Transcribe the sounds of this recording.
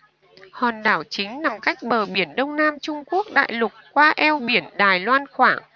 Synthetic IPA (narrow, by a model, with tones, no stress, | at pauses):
hɔ˨˩nɗaː˧˩wt͡ɕï˨˦ŋ̟na˨˩mka˦˥jk̟̚ɓəː˨˩ɓi˧˩ənɗə˧wŋ͡mnaː˧mt͡ɕʊ˧ŋ͡mku˦˥ək̚ɗa̰ː˧˨jlʊ˨˩k̚kːwaː˧ʔɛ˧wɓi˧˩ənɗaː˨˩jlwaː˧nxwaː˧˩ŋ